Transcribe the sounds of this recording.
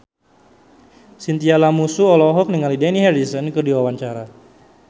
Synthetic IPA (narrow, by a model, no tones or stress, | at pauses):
sint̪ialamusuɔlɔɦɔk̚nəŋalidɛniɦɛrisənkərdiwawaɲt͡ʃaɾa